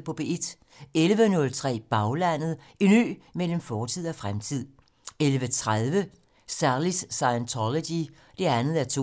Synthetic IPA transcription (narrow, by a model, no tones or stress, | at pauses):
pʰɒ̽b̥e̝ed̥ | elʋənɔ̽lt͡sʰʁɛ̰ːb̥ɑ̈ʊlæn̰ð̞̩ˠ | iny̰ːmel̰m̩fɒːt͡sʰið̞̰ˠɒfʁamt͡sʰið̰ˠ | elʋət͡sʰʁaðˠʋə | sæɐlisːɑɪənt͡sʰɒlod̥i | d̥e̝ænð̩ˠæɐt͡sʰo